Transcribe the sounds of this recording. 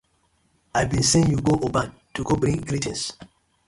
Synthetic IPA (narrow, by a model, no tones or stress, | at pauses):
ajbĩnsẽnjuɡoʔobãn | tuɡobɾĩɡɾitɛ̃ns